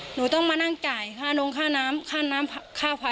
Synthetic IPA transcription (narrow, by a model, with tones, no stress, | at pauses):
nuː˩˦t̪ɔ˥˩ŋmaː˧na˥˩ŋt͡ɕaː˨˩jkʰaː˥˩no˧ŋkʰaː˥˩naː˦˥mkʰaː˥˩naː˦˥mʰkʰaː˥˩pʰa˧˦